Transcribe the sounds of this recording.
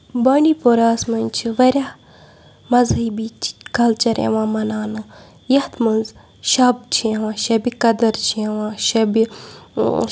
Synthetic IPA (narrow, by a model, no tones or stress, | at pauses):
bɐːɳɖipoɾaːsmɐnʲt͡ʃʰiʋɐɾʲah | mɐzɦɐbit͡ʃʰkɐlt͡ʃɐɾḛʋãːmɐnaːnɨ | jɐht̪mɨnz | ʃɐb̚t͡ʃʰiewãːʃɐbikɐd̪ɐɾt͡ʃʰeʋãːʃɐbi